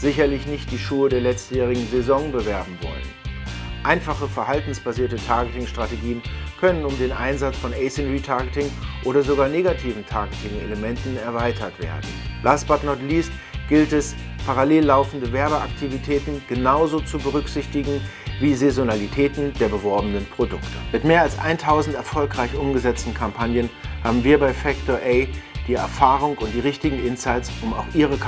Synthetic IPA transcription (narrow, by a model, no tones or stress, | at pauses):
z̥ɪçɐlɪçnɪçt̚d̥iːʃuːədeːɐlɛt͡stjɛːʁ̞ɪɡŋ̩zezɔŋbəvɛɐbm̩vɔ̰lə̰nʔaɪnfaχəfɛɐhaltn̩sb̥aziːɐtətʰaɐɡətɪŋʃtʁ̥ateɡiːənkʰœnənʊmdeːnʔa̰ɪnzat͡sfɔnɛɪsɛnʁiːtʰaɐɡətɪŋʔoːɾɐzoɡaːɐneːɡatʰiːvn̩tʰaɐɡətʰɪŋḛləmɛntn̩ɛɐvaɪtʰɐtv̥ḛːɐdn̩lʔasb̥atnɔtliːstɡ̥ɪltɛspʰaʁaleːlːaʊfn̩dəvɛɐbəʔa̰ktʰivitʰɛːtn̩ɡ̥ənaʊzoːt͡subəʁʏkz̥ɪçtɪɡŋ̩viːzezonalitʰɛːtn̩deːɐbəvɔɐbənənpʁ̥odʊktʰəmɪtmeːɐalsʔa̰ɪntʰaʊzn̩tɛɐfɔlkʁ̥aɪçʔʊmɡəzɛt͡stn̩kʰampʰanjənhaːbm̩viːɐbaɪfɛk̚toʔɛɪd̥iːɛ̰ɐfaːʁʊŋʊnt̚d̥iːʁɪçtɪɡŋ̩ɪnsaɪt͡sʔʊma̰ʊxʔiːʁ̞əkʰ